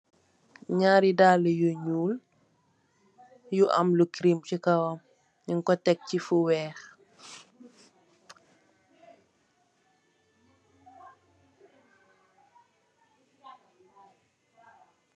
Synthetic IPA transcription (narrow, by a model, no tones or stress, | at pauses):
ɲaːɾidaːləjuɲuːl | juʔɐ̰mlukɾimcikɐwɐm | jiŋkɔtɛk̚cifuwɛːx